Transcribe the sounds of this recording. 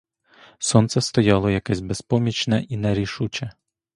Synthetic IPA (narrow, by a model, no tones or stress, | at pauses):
sɔnt̪sɛst̪ɔjɑlˠɔjɐkɛzʲbespɔmʲit͡ʃnɐʔinɛɾʲiʃut͡ʃɛ